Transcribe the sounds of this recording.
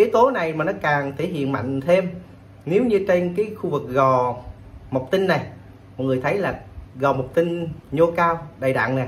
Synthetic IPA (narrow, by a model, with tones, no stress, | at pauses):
ʔi˨˦t̪o˨˦na˨˩jmaː˨˩nɔ˨˦kaː˨˩ŋt̪ʰe˧˩hḭ˧˨ənma̰˧˨jŋ̟t̪ʰe˧m | ne˨˦wɲɨ˧t͡ɕe˧nkaː˨˦jxu˧vɨ˨˩k̚ɣɔ˨˩ | mə˨˩wk͡p̚t̪i˧nːa˨˩j | mɔ˨˩ŋɨ˨˩əjt̪ʰə˨˦jlaː˨˩ɣɔ˨˩m˨˩wk͡p̚t̪ï˧nɲo˧kaː˧wɗaː˨˩jɗa̰ː˧˨ŋna˨˩j